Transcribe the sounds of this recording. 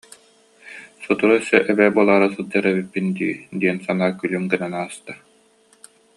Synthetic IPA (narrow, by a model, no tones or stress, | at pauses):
sɔt̪uɾusœʔɛbɛːbuɔlˠaːɾasɯlˠd͡ʑaɾɛbipːind̪ḭːd̪iɛnsanaːkylymɡɯnanaːst̪a